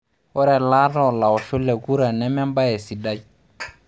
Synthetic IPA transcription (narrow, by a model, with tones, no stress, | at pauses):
wɔ˦ɾɛ˨la˦ɾɔ˦˨la˨ɔ˨ʃu˦lːɛ˨ɡu˦ɾa˨nɛ˦mɛ˦mba˦jɛ˨si˨da˦j